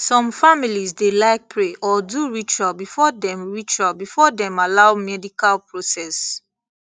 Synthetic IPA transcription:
sɔ̃mfamilizdelaɪk̚pɹeʔɔduɹit͡ʃalbifɔdɛ̃mɹit͡ʃalbifɔdɛ̃malaʊmɛdikalpɹosɛs

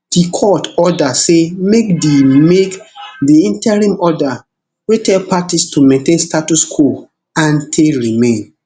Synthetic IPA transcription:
d̥ikʰɔtɔdasemekdemekdiĩntɛɹĩmɔda | wetɛlpatistumɛ̃ntẽnstatuskʰul | ãntʰeɹimẽn

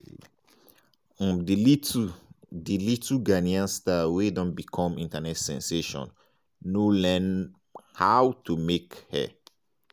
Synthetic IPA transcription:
dilitu | dilituɡaniãnstawedɔ̃nbikʰɔ̃mĩntanɛtsɛ̰̃nseʃɔ̰̃nː | ulɛ̃n | hawtumekhɛ̰

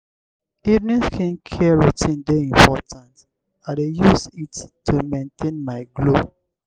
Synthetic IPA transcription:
idniskʰɛ̃nkʰɛɹitĩndeĩmpʰɔtʰãnt | adejusitːumẽntʰẽnmaɪɡlo

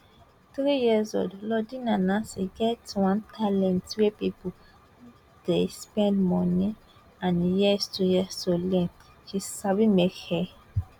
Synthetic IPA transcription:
θɾijizo̰dlɔdĩnãnãsiɡɛtwãntʰalɛ̃ntwepipu | d̥espɛ̃ndmɔ̃ni | ãnjɛstujɛsolɛ̃ | ʃisabimekhɛ

